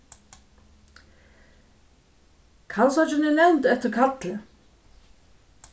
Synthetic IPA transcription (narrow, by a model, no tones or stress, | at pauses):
kʰansɔt͡ʃɪnɪnɛwnt̪ɛt̪ɪɾkʰat̪lɪ